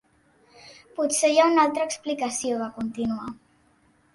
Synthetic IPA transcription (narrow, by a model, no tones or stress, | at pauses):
pusejaunalˠt̪ɾəːksplikəsioβakunt̪inua